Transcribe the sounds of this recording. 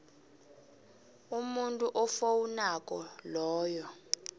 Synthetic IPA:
umuntʼuʔɔfowunakʼɔlɔːjɔ

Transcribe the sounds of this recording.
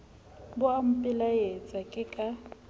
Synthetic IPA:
bʊam̩pʼɪlajet͡sʼakʼɪkʼa

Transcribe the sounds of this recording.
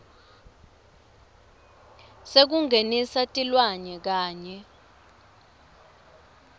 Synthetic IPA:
sek̬uŋʱenisatʼilwaɲɛk̬aːɲɛ

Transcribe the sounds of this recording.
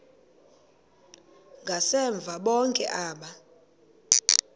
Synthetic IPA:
ŋɡʱasɛɱb̪vʱaɓɔŋkʼɛ̰ʔaːɓa

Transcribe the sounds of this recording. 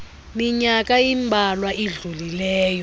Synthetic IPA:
miɲak̬ʼajimbʱalwaʔiɮulilɛːjɔ

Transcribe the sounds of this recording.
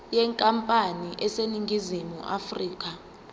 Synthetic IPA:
jɛŋkʼampʼaniʔɛseniŋɡʱizimṵʔafriːk̬ʰʼa

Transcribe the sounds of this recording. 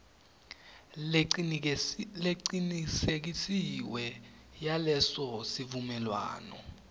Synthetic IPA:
leǀinisek̬isiwɛ | jalɛsɔsivumɛlwa̰ːnɔ̰

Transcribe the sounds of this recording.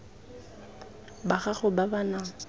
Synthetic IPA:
baχaχʊbabana

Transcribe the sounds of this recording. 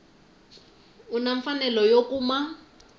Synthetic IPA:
unaɱfanɛlɔjokuːma

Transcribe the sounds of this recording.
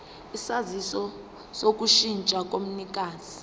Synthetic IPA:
isazisɔ | sok̬ʼuʃint͡ʃʼak̬ʼom̩nik̬ʼaːzi

